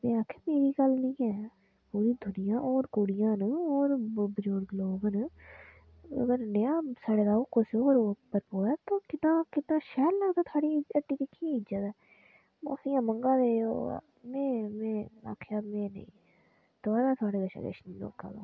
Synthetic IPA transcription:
mẽːaːkʰeːmeːɾiːɡəlnĩːɛː | puːɾiːd̪ʱʊnɪjãːʔoːɾkoːɽɪjãːnɔːɾbəd͡ʒoːɽɡloːbn | ə̰ɡəɾnəjãːsaːɽeːɡ̪aːokoseoːɾopəɾpoːɛːt̪oːkɪt̪nãːkɪt̪nãːʃɛːɾləɡd̪aːt̪ʰaːɽiəʈːiːk̪ikʰːiɪd͡ʒət̪ɛː | mo̰ːsijãːmə̃ŋɡãːɾeːo̰ː | mẽːmɛ̃ːa̰ːkʰeaːmẽːnə̰ḭ̃ː | t̪ʊaːɾaːt̪ʰʊaːɽeːɡəʃa̰ːɡə̰ʃnĩːno̰ːka̰ːɡa̰ː

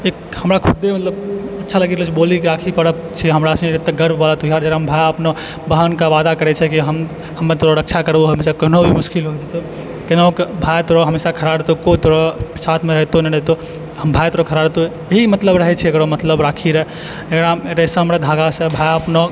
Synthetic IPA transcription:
ekhəmɾakʰud̪emət̪ləbətːʃʰaləɡɛɾot͡ʃʰibolikɾakʰikəɾəpt͡ʃʰiɦəmɾasnɾet̪ːəɡəɾbbalat̪ojɦaɾd͡ʒəɾaɦəmbʱajəpno | bəɦənkaʋad̪akəɾɛt͡ʃʰɛkiɦəm | həmːet̪oɾoɾək̚t͡ʃʰakəɾboɦəmesakəɦnobʱimʊskilɦojt͡ʃʰɛt̪ɔ | kenaõkbʱajt̪oɾɔɦəmesakʰəɾaɽt̪okot̪oɾɔsat̪ʰmeɾəɦt̪onɛɾəɦt̪o | ɦəmbʱajt̪oɾɔkʰəɾaɽt̪o | eɦimət̪ləbɾəɦɛt͡ʃʰɛekɾomət̪ləbɾakʰiɾɛɦɛ | ekɾaɾəsə̃ɦəmɾad̪ʱaɡasə̃bʱajəpno

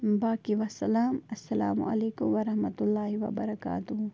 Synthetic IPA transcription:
baːkiʋɐsːɐlaːmɐsːɐla̰ːmʊ̰ʔɐ̰leːkʊmʋɐɾɐhmɐt̪ʊlːaːɦiʋɐ̰bɐɾɐka̰ːt̪ʊɦ

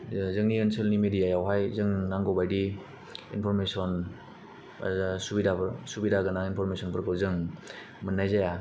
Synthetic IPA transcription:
zɯŋniensɯlnimedijajawɦajzɯŋnaŋɡɔbajdi | ḭnpʰɔɾmesɔn̰ | subidaɾsubidaɡɯnaŋinpʰɔɾmesɔnpɯɾkɯɾzɯŋ | mɯnːajzaja

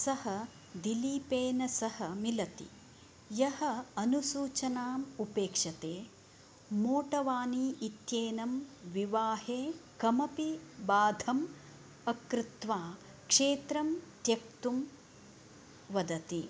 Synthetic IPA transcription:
sɐhɐ | d̪iliːpeːnɐsɐhɐmilɐt̪ḭ | jɐhɐɐnusuːt͡ʃɐnaːmupeːkʂɐt̪eː | moːʈɐʋaːniːʔit̪jeːnɐmʋiʋaːheːkɐmɐpibaːd̪ʱɐm | ɐkɾɪt̪ʋaː | kʂeːt̪ɾɐmt̪jɐk̚t̪um | ʋɐd̪ɐt̪i

